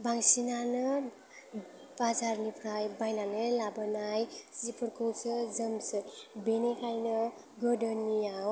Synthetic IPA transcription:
baŋsinanʌ | bad͡zaɾnipʰɾajbajnanɯlabʌnajsipʰʌɾkowsɯd͡zʌmsʌbenekʰajnʌ | ɡʌdənːiaw

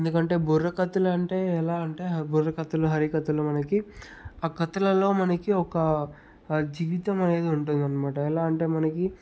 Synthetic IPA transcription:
eend̪ukɐɳʈe̞ːbʱurːɐkɐt̪ɐlɐɐɳʈe̞ːɛlaːɐɳʈe̞ːburːɐkɐt̪ɐloɦɐɾikɐt̪ɐloːmɐnɐki | aːkɐt̪ɐlɐlo̞ːmɐnɐkiɔkɐ | d͡ʒiːʋit̪ɐmɐne̞ːd̪iuɳʈund̪iɐnːɐmaːʈɐɛlaːɐɳʈe̞ːmɐnɐki

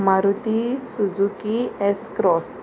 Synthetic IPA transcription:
maɾut̪isud͡zukiɛskɾɔs

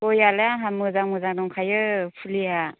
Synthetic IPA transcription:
ɔjalaɦamɯzaŋmɯzanɔŋkʰajɯpʰulija

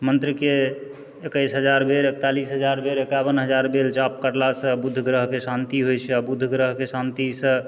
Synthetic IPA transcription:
mənt̪ɾəke | ekəjsɦəd͡ʒaɾbʱeɾek̚t̪alisɦəd͡ʒaɾbʱeɾekabənɦəd͡ʒaɾbelt͡ʃap̚kəɾlasə̃bud̪ʱːɡɾəɦkesant̪iɦojt͡ʃʰɛabud̪ʱːɡɾəɦkesant̪isə̃

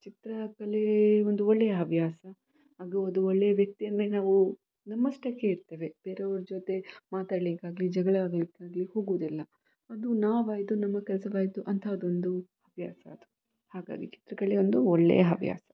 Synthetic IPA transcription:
t͡ʃit̪ɾɐkɐleond̪uɔɭːejɐɦɐbʱjaːsɐ | ɦaːɡuɐd̪uɔɭːejɐʋjɐk̚t̪ijɐnd̪ɾenaːʋu | nɐmːɐsʈɐkːeiɾt̪eːʋe̞b̥eːɾeɐʋɐɾud͡ʒot̪e̞maːt̪aːɽlikaːɡlid͡ʒɐɡɐɭaːɡlikːaːɡliho̞ːɡuʋːd̪ilːɐ | ɐd̪unaːʋaːjit̪unɐmːɐkɛlsɐʋaːjit̪uʔɐnt̪ʰaɐd̪uond̪u | ɐbʱja̰ːsɐɐd̪u̥ | haːɡa̰ːɡḭt͡ʃi̥t̪ɾɐkɐɭeond̪uɔɭːḛjɐɦɐbʱja̰ːsɐ̥

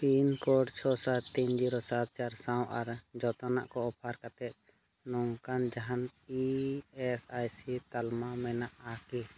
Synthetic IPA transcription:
pinkɔɖt͡ʃʰɔsat̪t̪iɲd͡ʒiɾɔsat̪̚t͡ʃaɾsãwʔaɾd͡ʒɔt̪ana̰ʔkɔɔpʰaɾkat̪ɛt̪̚ˀ | nɔŋkand͡ʒaɦaniɛsajsit̪almamɛnaʔaki

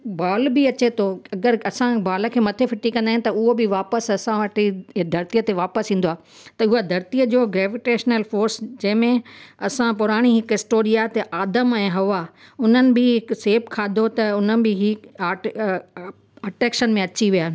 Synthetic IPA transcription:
baːlbɪɐt͡ɕet̪ʰoɐɡəɾɐsãbaːlə̆kʰeːmɐt̪ʰefɪʈikɐ̃nd̪aɦɪ̃nɪt̪ɐʊɦobɪʋaːpəsɐsãʋɐʈid̪ʱɐɾt̪ijət̪eʋaːpəsĩːn̆d̪oaː | t̪ɐʊɦad̪ʱɐɾt̪ijəd͡ʑoːɡɾeːʋɪʈeːʃnəlfoːɾsd͡ʑɐ̃ɦɪ̃mẽɐsãpʊɾaːɽ̃iɦɪkɦɪsʈoːɾijat̪eʔaːd̪əmɛ̃ːɦɐʋaʊn̤ənɪ̆bɪɦɪkseːbkʰaːd̪ʱot̪ɐʊn̤ənɪ̆bɪɦiː | ɐʈɾeːkʃənmẽɐt͡ɕiʋijaː

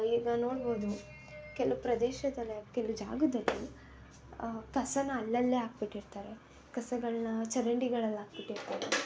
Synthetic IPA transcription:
iɡɐno̞ːɽboːd̪u | kelɐupɾɐd̪eːʃɐd̪ɐlːekelɐud͡ʒa̰ːɡud̪ɐlːi | kɐsɐnːɐːlːɐlːeːɦaːk̚biʈːiɾt̪aːɾe̞ | kɐsɐɡɐɭɐnɐt͡ʃɐɾɐɳɖiɡɐɭɐlːaːk̚biʈːiɾt̪aːɾe

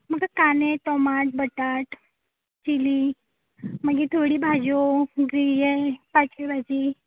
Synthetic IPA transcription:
məɡakanet̪ɔmaʈ̚bəʈaʈ | t͡ɕili | məɡit̪ʰoɽiːbʱad͡ʑoɡɾijepat͡ɕebʱad͡ʑi

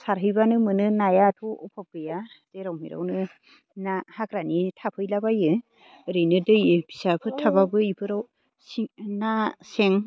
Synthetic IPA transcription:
saɾɦɯjbanɯmɯnɯnajatʰɔɔpʰap̚ɡɯja | z̥eɾawmiɾa̰wnɯ | nahakɾanitʰapʰɯjlabajɯ | ɾɯjnɯdɯjɯbi̥sapʰɯtʰababɯipʰɯɾaw | sinaseŋ

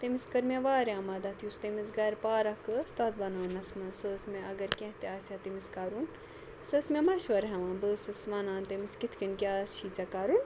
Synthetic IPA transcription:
t̪emiskɐɾmʲeʋaːɾãːmɐd̪ɐt̪ʰjust̪emisɡɐɾpaːɾɐkɨst̪aːt̪bɐnaːnɐsmɐnsəːsmeʔɐɡɐɾkʲẽɦt̪eaːsʲat̪imiskaːɾun | səsmemɐʃʋɐɾɦɐʋãːnbəsɨsʋanaːnt̪emiskit̪ʰkinkʲaːt͡ʃʰit͡sɐkaːɾun

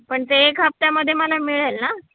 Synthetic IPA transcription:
pəɳt̪eːkɦap̚t̪jaməd̪ʱːjeməlamiɭelna

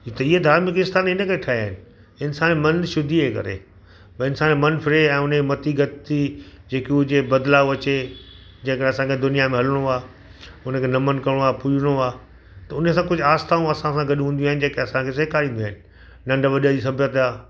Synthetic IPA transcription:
t̪ɐiɦed̪ʱaːɾmɪk̬ɪst̪aːnɪnəkʰeʈʰaːiaːɦɪnɪ̆ | ɪnsaːnmɐnʃʊd̪ʱiɦekɐ̰ɾḛː | bɐɪnsaːnemɐnfɪɾeɛ̃ːʊnemɐt̪iɡɐt̪t̪id͡ʑeːkiʊd͡ʑebɐd̪laːʋʋɐt͡ɕe | d͡ʑɐ̃ːkəɾeɐsãkʰed̪ʊnijamẽɦɐləɽ̃oaː | ʊnəkʰenɐmənkɐɾɽ̃oaːpʊiɽ̃oaː | t̪ɐʊnəsãkʊd͡ʑʱʊaːst̪aːũɐsãsãɡɐɗɦũːnd̪juaːɦɪ̃nɪ̆d͡ʑeːkʰeɐsãkʰes̬eːkʰaɾĩːn̆d̪iaːɪnɪ̆ | nɐ̃ɳɖʋɐɗəd͡ʑisɐbʱjət̪aː

